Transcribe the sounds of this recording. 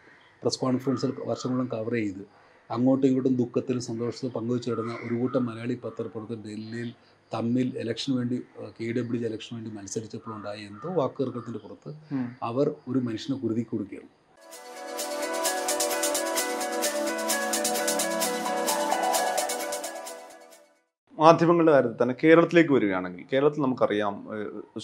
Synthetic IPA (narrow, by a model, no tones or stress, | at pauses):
preskwaːɳiŋfrɐɖsɐlʋɐrʂɐŋːɐɭːumkɐʋrɐjejit̪ːɨ | ɐŋːoːʈːeŋuɽːumd̪ukːɐt̪ːilumsɐnd̪o̞ːʂɐt̪ːɐpɐŋɡɐʋit͡ɕːɨɐɽɐnːɐʔo̞ɾukuːʈːɐmːɐlɐjaːɭipɐt̪ːɐrɐpːurɐt̪ːɨɖelːijil | t̪ɐmːilelɐkʂɐnʋe̞ːɳɖikeːɖɐbɽilelɐkʂɐnʋe̞ːɳɖimɐnɐsɐɾit͡ɕːɐpːoːmuɳɖaːjiend̪oːʋaːkːɨɐrkːɐɭɐt̪ːinde̞purɐt̪ːɨɐʋɐro̞ɾumɐnuʂɐnɐkuruðikʲːoɽukːijɐrɐnː | maːd̪ʱjɐmɐŋːɐɭɨɖekaːjɾɐt̪ːɨt̪ɐnːeke̞ːɾɐɭɐt̪̬ːile̞ːkːɨʋɐɾuɣɐjaːɳe̞ŋɡḭlke̞ːɾɐɭɐt̪̬ːilnɐmukːɐrijaːm